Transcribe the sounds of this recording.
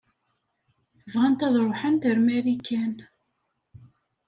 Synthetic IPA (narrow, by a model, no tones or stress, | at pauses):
vʁænt̪æðˤɾˤoħənt̪əɾmæɾikʰːæn